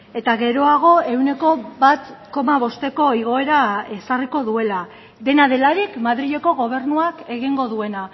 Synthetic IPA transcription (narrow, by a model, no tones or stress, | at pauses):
e̞t̪aɣe̞ɾo̞aɣ̞o̞e̞wne̞ko̞βat̪ko̞maβ̞o̞st̪e̞ko̞iɣ̞o̞e̞ɾae̞sariko̞ðue̞la | d̪e̞naðe̞laɾikmaðɾiʎe̞ko̞ɣo̞β̞e̞ɾnuake̞ɣiŋɡo̞ðue̞na